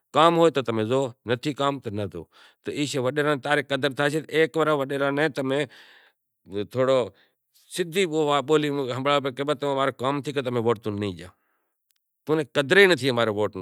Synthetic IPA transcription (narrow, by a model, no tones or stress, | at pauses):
kaːmɦoːet̪ot̪ɐmẽzoːnɐt̪ʰikaːmt̪ɐnɐt̪o̰ː | t̪ɐiːʃeːʋɐɗeːɾãːnt̪aːɾekɐd̪əɾt̪ʰaːsʰet̪eːkʋəɾãːʋəɗeːɾãːnẽt̪ɐmẽ | t̪ʰoːɽoː | sɪd̪ʱiːoʋaɓoːliɦə̃mbɽaːp̬ẽkebət̪ɐmẽmaːɾekaːmt̪ʰiːkɐt̪ɐmẽʋoːʈt̪ũːnĩːʄã̰ː | t̪uːnẽkɐd̪ɾenɐt̪ʰiːmaːɾeʋoːʈn